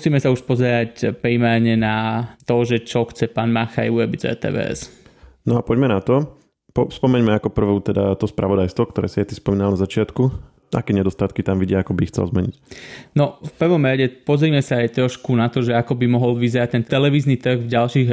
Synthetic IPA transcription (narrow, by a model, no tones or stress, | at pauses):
siːmɛsauʃpɔzɛɾacpɾimɛɾɲɛnat̪ɔʒɛt͡ʃɔxt͡sɛpaːnmaxajuɾɔbizɛ̰t̪ɛ̰ːʋɛ̰ːʔɛ̰snɔapɔɟmɛnat̪ɔ | pɔfspɔmɛɲmɛakɔpr̩ʋuːt̪ɛd̪at̪ɔspɾʔaʋɔd̪ajst̪ʋɔk̚t̪ɔɾɛ̰ːsiajt̪ispɔmiːnalnazat͡ʃɪat̪ku | ʔa̰kɛːɲɛd̪ɔst̪at̪kit̪amʋiɟɪɛakɔbiːxt͡sɛ̰lzmɛɲicnɔfpr̩ʋɔmɾaɟɛpɔzɾiːmɛsaajt̪ɾɔʃkunat̪ɔʒɛakɔbimɔɦɔlʋizɛɾac̚t̪ɛnt̪ɛlɛʋiːznit̪r̩ɣvɟalʃiːɣ